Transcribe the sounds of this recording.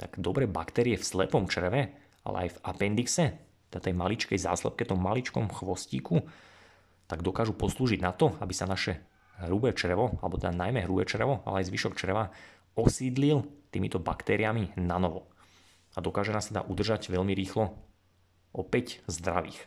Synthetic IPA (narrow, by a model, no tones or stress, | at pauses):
t̪aɡd̪ɔbɾɛːbakt̪ɛːɾiɛfslɛ̰pɔmt͡ʃr̩ɛʋɛ | a̰lɛ̰ajvapɛnd̪iksɛtt̪ɛd̪at̪ɛjmalit͡ʃkɛjza̰ːslɛ̰p̚kɛt̪ɔmːalit͡ʃkɔmxʋɔsciːku | t̪aɡd̪ɔkaːʒupɔsluːʒiɟ̪nat̪ɔabisanaʃɛ | ɦɾubɛːt͡ʃɾɛʋɔalɛbɔt̪ɛd̪anajmɛɦɾubɛːt͡ʃrʋɔʔa̰lɛajzʋiʃɔkt͡ʃrɛʋa | ɔsiːd̪lilt̪iːmit̪ɔbakt̪ɛːɾiaminanɔʋɔ | ad̪ɔkaːʒɛnaːsad̪a̰ːʔud̪r̩ʒaɟʋɛʎmiɾiːxlɔ | ɔpɛczd̪ɾaʋḭːx